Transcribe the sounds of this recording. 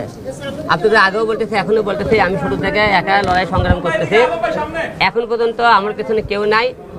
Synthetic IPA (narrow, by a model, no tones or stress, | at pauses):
a̰pnek̪eaɡeowbolt̪et͡ɕʰiɛkʰonewbolt̪et͡ɕʰiamiʃuɽut̪ʰekeɛkalɔɽaeʃɔŋɡɾamkoɾt̪et͡ɕʰi | ɛkʰonpɔɾd͡ʑont̪oamaɾpet͡ɕʰonekewnaj